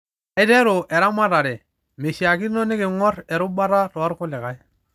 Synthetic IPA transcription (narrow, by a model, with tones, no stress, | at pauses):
ɛ˦te˦ɾʊ˨ʔɛ˨ɾa˦ma˦ɾa˨ɾɛ˨ | me˨ʃi˨a˨ki˦no˦nɪ˦kɪ˨ŋɔ˦ɾɛ˨ɾʊ˦ba˦ɾa˦to˨a˦ɾkʊ˦lɪ˨ka˦j